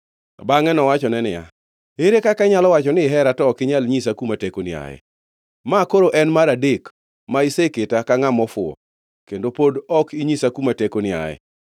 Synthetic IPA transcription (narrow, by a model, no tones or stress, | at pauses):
baŋɛnɔwat͡ʃɔnɛnɪja̰ | eɾekakaɲalɔwat͡ʃɔnɪɦɛɾatɔkɪɲalɲisakumatekonɪa̰ɛ̰ | makoɾoʔɛnmaɾadek | maiseketakaŋamɔfʊɔ̰ | kendopodɔkiɲisakumatekonɪa̰jɛ̰